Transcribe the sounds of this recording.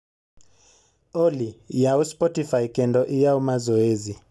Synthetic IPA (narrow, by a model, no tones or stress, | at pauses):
ɔlijauspɔtifaikɛndɔʔijaumazɔezi